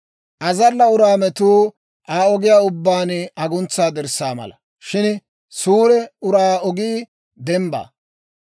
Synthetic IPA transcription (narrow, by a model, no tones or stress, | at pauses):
ʔɐzɐlːɐʊɾaːmɛt̪uː | ʔaːɔɡɪjaːʊbːaːnɐɡʊnt͡sːaːd̪ɛɾsaːmɐ̰lɐ | ʃɪn | suːɾɛʊɾaːɔɡi | d̪ɛmba̰ː